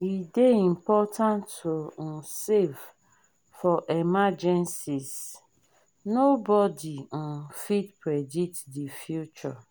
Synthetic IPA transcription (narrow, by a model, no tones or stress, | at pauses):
ideim̩pɔtʰãntʰon̩sev | fɔʔɛmad͡ʒɛ̃nsis | nobɔdin̩fitpʰɹɛditdifjut͡ʃɔ